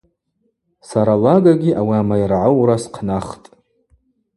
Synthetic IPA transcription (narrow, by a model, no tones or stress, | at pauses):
saɾalaɡaɡʲiʔawiamajrʕawɾasqʰnaχtʼ